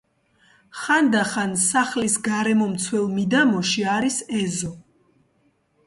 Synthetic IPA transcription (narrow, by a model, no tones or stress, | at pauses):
χand̪aχansaχlisɡaɾɛmɔmt̪sʰwɛlˠmid̪amɔʃiaɾisɛzɔ